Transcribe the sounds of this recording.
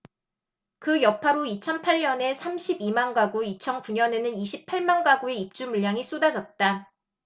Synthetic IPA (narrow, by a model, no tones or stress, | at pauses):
kɯjʌpʰaɾoit͡ɕʰʌnpʰaɭɲʌne̞sʰamɕʰibimanɡaɡuit͡ɕʰʌnkuɲʌne̞nɯniɕʰipʰaɭmanɡaɡue̞ip̚t͡ɕ͈umuʎːaŋis͈odad͡ʑʌt̚t͈a